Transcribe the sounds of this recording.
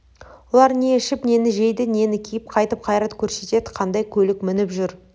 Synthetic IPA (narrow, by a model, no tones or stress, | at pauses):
wolˠɑɾne̞ɪʃɪpne̞nɪʒe̞jd̪ɪne̞nɪkʲʰijɪp̚qʰɑjt̪əp̚qʰɑjɾɑt̪kʲʰɵɾse̞t̪e̞d̪ɪqʰɑnd̪ɑjkʲʰɵlɪkmɪnɪpʒʏɾ